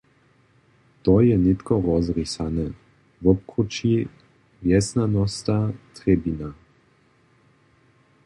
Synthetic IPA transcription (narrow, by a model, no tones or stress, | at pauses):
t̪ɔjɛnet̪kɔɾɔzɾisanɛ | vɔp̚kut͡ʃi | vjɛsnanɔst̪at̪ɾebina